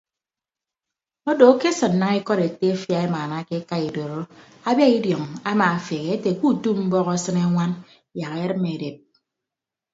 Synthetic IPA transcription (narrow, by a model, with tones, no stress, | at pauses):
o˦do˨˦ke˦sɨ˨nːa˨ŋi˦kɔ˦ɾe˨te˦fja˨e˦ma˨na˦ke˦ka˦i˨do˨ɾo˦ | a˦bja˦i˦djɔ˨ŋa˦maː˨fe˨ɣe˨e˦te˨ku˦˨tu˦pm̩˦bɔ˦ɣɔ˦sɨ˦ne˦ŋʷa˦n | ja˨ke˦ɾɨ˦me˨de˨p̚